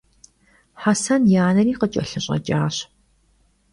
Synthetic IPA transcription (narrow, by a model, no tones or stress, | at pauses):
ħasɐnjaːnɐɾiːqət͡ʃʼɐɬɨɕʼɐ̰t͡ʃʼaːɕ